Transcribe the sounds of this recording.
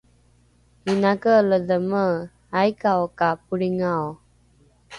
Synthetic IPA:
inakəːlədəmə | ajkaɔkapuɽiŋaw

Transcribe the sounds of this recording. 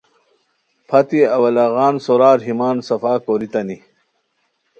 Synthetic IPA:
pʰɐt̪iɐwɐlaɣaːnsoɾaːɾɦimaːnsɐfaːkoɾit̪ɐni

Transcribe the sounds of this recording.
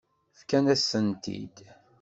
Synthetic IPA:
fkænæsənt̪ḭd̪̥

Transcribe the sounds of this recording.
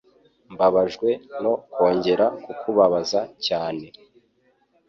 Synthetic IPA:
mbaβaʒɡwe̞no̞ko̞ːɲɟe̞ɾakukʰuβaβazacaːne̞

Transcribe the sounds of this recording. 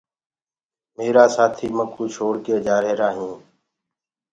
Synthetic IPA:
meːɾaːsaːt̪ʰiːməkuːt͡ʃʰoːɽkeːd͡ʒaːɾeːɾaːɦĩː

